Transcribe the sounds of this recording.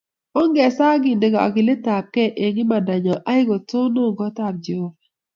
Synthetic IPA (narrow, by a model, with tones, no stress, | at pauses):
o˦ŋɡɛ˨sa˦ɡɪ˨nde˨ɡa˨a̰˨ɡɪ˨le˦ta˨p̚kɛ˦ʔe˨ŋɪ˦ma˨da˨ɲɔ˨ʔa˦ɪ˦ɡo˨to˦no˦˨ɡɔ˦ta˨p̚d͡ʒo˦va˨